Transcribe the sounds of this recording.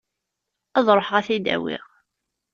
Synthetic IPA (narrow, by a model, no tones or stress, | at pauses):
ɑðˤɾˤħʁæθid̪æ̰wḭʁ